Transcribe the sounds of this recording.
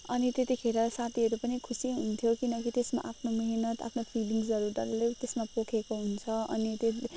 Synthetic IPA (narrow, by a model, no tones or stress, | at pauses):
ʌnit̪et̪ikʰeɾʌsat̪ʰiɦʌɾupʌnikʰusiɦunt̪ʰjokinʌkit̪esma̰ʔapʰnomʌɦinʌt̪a̰pʰnopʰiɖiŋɡsʌɾurʌɾlet̪esmapokʰekoɦunt͡sʰʌʌnit̪e